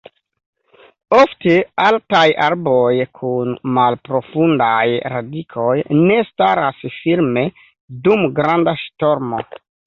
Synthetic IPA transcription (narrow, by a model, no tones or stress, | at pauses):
o̞ftealtajaɾbo̞jkʰunmalpɾo̞fundajɾadikʰo̞jne̞staɾasfiɾme̞ | dumɡɾandaʃto̞ɾmo